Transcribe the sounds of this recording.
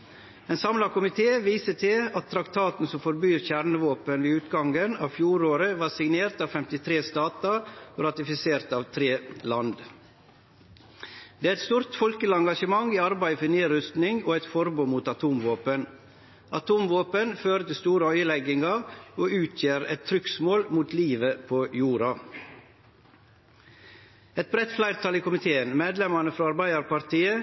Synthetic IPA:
ɛːnsɑmlɑkʊmɪt̪ʰeːʋiːsət̪ʰɪɑt̪ʰːɾɑkt̪ʰɑːt̪n̩sɔmfɔɾbyːɾçæɾnəʋoːpənʋiːʉːt̪ɡɑŋɡənɑ̰ːʋfjuːɾoːɾəʋɑːɾsɪŋneːɾt̪ɑːʋfɛmt̪ɪt̪ʰɾeːst̪ɑːt̪ɑɾɑt̪ɪfɪseːɾt̪ɑːʋt̪ʰɾeːlɑnd̪ | d̪̥eːæɾɛt̪st̪uːɾt̪fɔlkəlɑŋɡɑʃəmɑŋiːɑɾbæɪfɔneːɾʏst̪nɪŋoːɛt̪fɔɾbuːmuːt̪ɑt̪ʰuːmʋoːpən | ʔɑt̪ʰuːmʋoːpənføːɾət̪ɪlst̪uːɾəœʏəlɛɡɪŋɑoːʉːt̪ʰjeːɾɛ̰t̪ʰːɾʏksmoːlmuːt̪liːʋəpʰojuːɾɑ | ɛt̪̚bɾɛt̪ːflæɪɾt̪ʰɑliːkʊmɪt̪ʰeːənmeːd̪lɛmɑnəfɾɑːɑɾbæɪɑɾpɑɾt̪ʰiːə

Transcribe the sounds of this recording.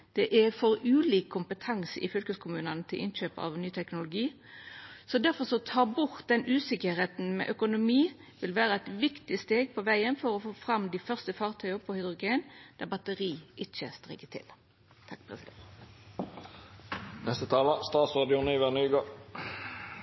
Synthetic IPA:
d̪̥ɛʔɛfɔɾʉːliːkʰːʊmpət̪ʰɑŋsɪ̰fʏlkəskʰʊmʉːnənət̪ʰɪlʔɪ̰nɕøːpɑ̰ʋnyːt̪ʰɛknʊlʊɡiː | sɔd̪æʁfɔʁsɔt̪ʰɑːbʊʁt̪d̪ɛnʉːsɪkəheːt̪n̩mɛ̰ʔœkʊnʊmiː | ʋɪlʋæːɾəæt̪ʋɪkt̪ɪst̪eːɡ̚pʰɔʋæɪənfɔɾɔfoːfɾɑmd̪ɪfœʁst̪əfɑːʁt̪ʰœʏəpʰɔhʏd̪ʁʊɡeːnd̪̥æbɑt̪əʁiːʔɪt͡ʃːə̰st̪ʁɪ̰ːkːət̪ʰɪ̰l | t̪ʰɑkːpʰɾɛ̰sɪd̪ɛ | nɛst̪ət̪ʰɑːləst̪ɑːt̪sʁɑːd̪ɪʊniʋæʁnyːɡɑː

